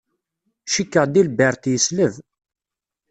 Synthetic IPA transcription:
ʃikːəʁd̪ilbəɾˤt̪jəsləv

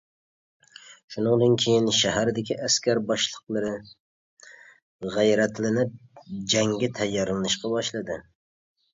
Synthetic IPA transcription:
ʃunɨŋd̪ɨnkʲʰejinʃæɦæɾd̪ɪkʲʰiʔæskʲæɾbɑʃlˠəqlˠɨɾɨ | ʁæjɾɛt̪lɪnɪp̚d͡ʒɛŋɡʲɛt̪ʰɛjːɑɾlˠɨnɨʃqɑbɑʃlˠɨd̪ɨ

